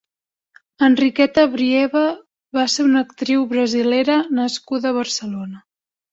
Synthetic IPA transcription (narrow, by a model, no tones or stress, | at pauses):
ənrikɛt̪əβɾiɛβə | βaseunəkt̪ɾiwβɾəzileɾənəskuðəβ̞ərsəlonə